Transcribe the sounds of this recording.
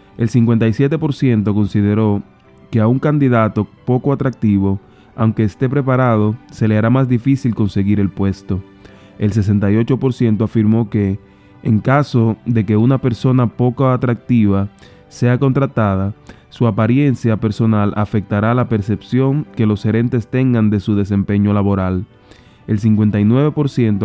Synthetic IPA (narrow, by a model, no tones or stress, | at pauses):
e̞lsiŋkwe̞nt̪ajsje̞t̪epo̞ɾsje̞nt̪o̞ko̞nsiðe̞ɾo̞ | ke̞auŋkand̪iðat̪o̞po̞koat̪ɾak̚t̪iβo̞ | awŋke̞ːst̪e̞p̬ɾe̞p̬aɾað̞o̞se̞le̞aɾamasd̪ifisilko̞nse̞ɣiɾe̞lpwe̞st̪o̞ | els̬e̞s̬e̞nt̪ajo̞t͡ʃo̞po̞ɾsje̞nt̪o̞afiɾmo̞ke̞ː | ŋkaso̞ðe̞ke̞unape̞ɾso̞napo̞koat̪ɾak̚t̪iβa | se̞ako̞nt̪ɾat̪að̞a | suapaɾje̞nsjape̞ɾso̞nalʔa̰fe̞k̚t̪aɾaːlape̞ɾse̞psjo̞ŋke̞lo̞se̞ɾe̞nt̪e̞st̪e̞ŋɡand̪e̞suðe̞s̬e̞mpe̞ɲo̞laβo̞ɾal | e̞ls̬iŋkwe̞nt̪ajnwe̞β̞e̞po̞ɾsje̞nt̪o